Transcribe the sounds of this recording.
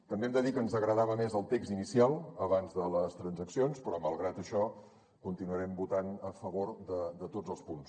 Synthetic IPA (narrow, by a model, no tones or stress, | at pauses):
t̪əmbeɛmd̪əðikənzəɣɾəðaβəmezəlˠt̪ekzinisialˠəβanzðələst̪ɾənzəksionspɾɔməlˠɣɾat̪əʃɔ | kunt̪inuəɾɛmbut̪anəfəβoɾd̪əd̪ət̪odd͡zəlˠspuns